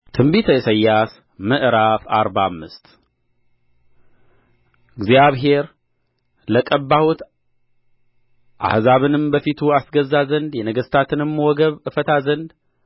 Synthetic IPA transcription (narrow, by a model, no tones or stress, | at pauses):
t̪ʰɨmbit̪ʰəjɛsəjːas | məʔɾafaɾbamːɨst̪ | ɨɡzijaβɦe̞ɾ | ləkʼəbːahut̪ | ʔa̰hzaβɨnɨmbəfit̪ʰuasɡəzːazənd̪jɛnəɡəst̪ʰat̪ʰɨnɨmːəwɔɡəβɨfət̪ʰazənd̪